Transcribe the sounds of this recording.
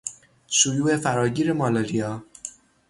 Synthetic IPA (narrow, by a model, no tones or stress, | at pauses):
ʃojuːe̞fæɾɒːɟiːɾe̞mɒːlɒːlijɒː